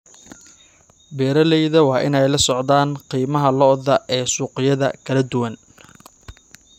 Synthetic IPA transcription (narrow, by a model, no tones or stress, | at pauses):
bɛːɾɐlɛjðɐwɑːʔɪnɛjlɐsɔʕðaːnqiːmɐɦɐlɔðɐʔɛːsuːqɪjɐðɐ̰kʰɐlɐd̪ʊwɐn